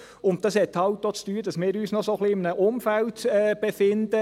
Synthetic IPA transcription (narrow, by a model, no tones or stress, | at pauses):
ʊnttːdɑshɛtːhɑwtdoːt͡styːd̥ɑsmɪːɾyːsnɔsoχliɪmnəʔʊmfæltɛːb̥efɪnd̪ə